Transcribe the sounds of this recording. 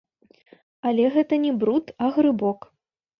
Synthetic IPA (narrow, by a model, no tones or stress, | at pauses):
alʲɛɣɛt̪ɐnʲɛbɾut̪ɐɣɾɨbɔk